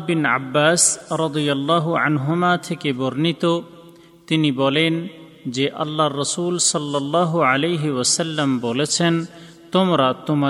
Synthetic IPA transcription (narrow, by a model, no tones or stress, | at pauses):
bina̰bːaːsɾɑd̪ijɐlːɑːɦuʕa̰nɦʊmat̪ʰekeboɾnit̪o | t̪iniboːlen | d͡ʒeʔɐ̰lːarːɐsuːlsɐlːɐlːɑːɦualejɦiwɐsɐlːɐmbolet͡sʰen | t̪ʊmɾat̪ʊm